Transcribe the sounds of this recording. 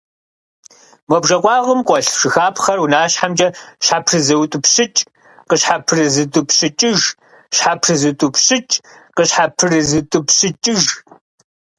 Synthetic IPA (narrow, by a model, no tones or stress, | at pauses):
mɔbʒɐqʷɑːʁʊmqʷɔɬʂɨxaːpʰχɐrwʊnaːɕħamt͡ʃʼɐɕħapʰrɨzɐwtʷʼʊpɕɪt͡ʃʼ | qəɕħapʰɨrɨzɨtʼʊpʰɕɨt͡ʃʼɪʒ | ɕħapʰrɨzɨtʼʊpʰɕɨt͡ʃʼqəɕħapʰɨrɨzɨtʷʼʊpʰɕɨt͡ʃʼɪʒ